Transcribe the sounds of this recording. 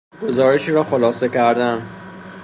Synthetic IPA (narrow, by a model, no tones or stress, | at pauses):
ɡ̥o̞zɒːɾeʃiːɾɒːxolɒːse̞kʰæɾd̪æn